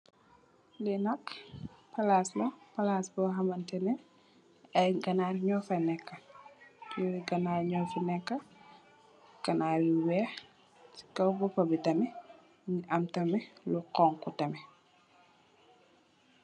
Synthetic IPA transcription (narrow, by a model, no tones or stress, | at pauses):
lɛnɐkpɐlaːslɐpɐlaːsbɔɦɐmɐntɛnɛ | ɐjɡɐnaːrɲɔfɐnɛkːɐ | jɔiɡɐnaːɾɲɔːfɐnɛkːɐ | ɡ̥ɐnaːɾiwɛːx | i̥kɐwbɔpɐbitɐmɛ | ɲiʔɐmtɐmɛluqɔŋkɔtɐmɛ